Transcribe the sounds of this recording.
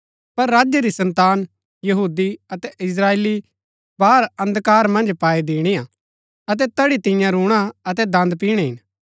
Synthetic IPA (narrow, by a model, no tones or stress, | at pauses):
pɐɾːaːd͡ʒjaɾisɐ̃nt̪aːn | jɐɦuːd̪iɐt̪ɛʔɪs̬ɾaːeːli | baːɾɐ̃nd̪kaːɾmɐ̃nd͡ʒpaːid̪iːɽ̃ia | ɐt̪̬ɛt̪ɐɽit̪ɪ̃jãɾuːɽ̃aɐt̪ɛd̪ɐ̃nd̪p̬iːɽ̃ɛɦɪ̰n